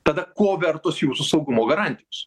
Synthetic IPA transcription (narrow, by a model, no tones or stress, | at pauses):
t̪ɐd̪ɐkoːʋʲɛɾt̪osjuːsʊsɐʊɡʊmoːɡɐɾɑnʲt̪ʲɪjos